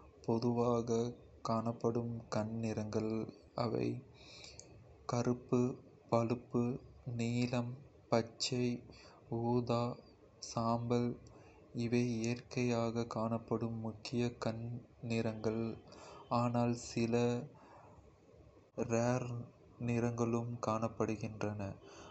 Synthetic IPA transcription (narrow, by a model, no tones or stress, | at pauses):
pɔðɯʋaːɣɐ | kaːɳɐpːɐɽɯmkɐnnɪɾɐŋɡɐɭ | ɐ̰ʋɐ̰ɪ | kɐɾɯpːɯ | pɐlɯpːɯniːlɐm | pɐt͡ʃːɐɪ | uːðaː | saːmbɐl | ɪʋɐɪeːrkɐjaːɣɐkaːnɐpːɐɽɯmːʊkːɪjɐkɐnnɪɾɐŋɡɐɭ | aːnaːlsɪlɐ | ɾaːɾ | nɪɾɐŋɡɐɭɯmkaːnɐpːɐɽɯɣɪndrɐnɐ